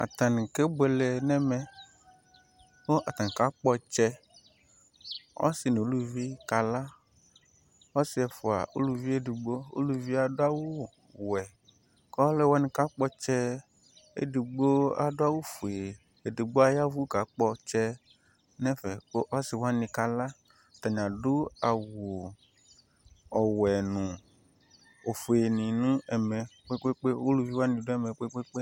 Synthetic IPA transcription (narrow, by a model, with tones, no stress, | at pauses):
a̰˨t̪a˨n˨ke˦bɛ˨lɛ˨nɛ̃˦mɛ̃˨ | wo˦ʔa˨t̪ã˨ŋ˨ka˦k͡pɔ˦t͡ʃɛ˦ | wɔ̰˦si˨ne˨o˦lu˦vi˦ka˨la˦ | wɔ˦si˦ɛ˨fo˨a̰˨o̰˦lu˦vi˦e˦du˨ɡ͡bo˦o̰˦lu˦vi˦a˨ɖo˦a˦wo˦ | wɛ˨ | kɔ˦lɛ˦wa˦nĩ˦ka˦k͡pɔ˦t͡ʃɛ˦ | ḛ˦du˨ɡ͡bo˦a̰˨do˦a˦wo˦fo˨e˨ | e˨du˨ɡ͡bo˦a˦ja˦vu˦ka˨˦k͡pɔ˦t͡ʃɛ˦ | nɛ̃˦fɛ˨ko˦ʔa˦si˨wa˦nĩ˨ka˦la˦˨ | t̪a˨ɲã˨do˦a˨wo˨ | ɔ˨wɛ˨nũ˨ | o˨fo˨e˨nĩ˨nũ˦ɛ˨mɛ˨k͡pe˦k͡pe˦k͡pe˦o˦lu˨vi˦wa˦nĩ˨do˦ɛ˦˨mɛ˨k͡pe˦k͡pe˦k͡pe˦